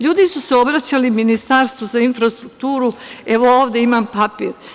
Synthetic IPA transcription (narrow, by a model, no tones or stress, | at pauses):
ʎuːd̪isuseo̞bɾat͡ɕaliminist̪aɾst̪ʋozainfɾast̪ɾukt̪uːɾue̞ʋo̞oːʋd̪e̞imampapḭːɾ